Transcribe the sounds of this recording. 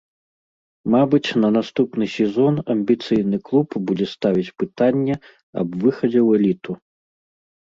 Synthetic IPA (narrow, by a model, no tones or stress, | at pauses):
mabɨt͡sʲnɐnast̪upnɨsʲɛzɔnɐmʲbʲit̪sɨjn̪ɨklˠupbud͡zʲɛst̪avʲit͡sʲpɨt̪anʲːɛ | ɐ̰bvɨxɐd͡zʲɛwɛlʲit̪u